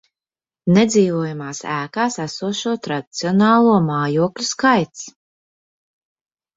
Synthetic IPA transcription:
nɛd̪ziːvuɔjamaːsæːkaːsæsuɔʃuɔt̪ɾad̪i̥t̪siɔnaːlˠuɔmaːjuɔklʲuskajt̪s

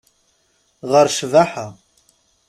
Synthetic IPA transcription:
ʁəɾʃvaħa

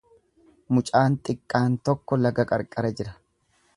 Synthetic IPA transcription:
mʊt͡ʃʼaːnt̪ʼɪkʼːaːnt̪ɔkːɔlɐɡɐkʼɐɾkʼɐɾɐd͡ʒɪɾɐ

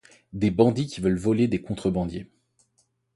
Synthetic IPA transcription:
d̪ebɑ̃d̪ikʲivœlvɔled̪ekɔ̃t̪χəbɑ̃d̪je

